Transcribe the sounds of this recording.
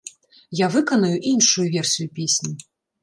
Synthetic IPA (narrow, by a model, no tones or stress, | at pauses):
javɨkɐnɐjuʔinʂujuvʲɛrsʲijupʲesʲnʲi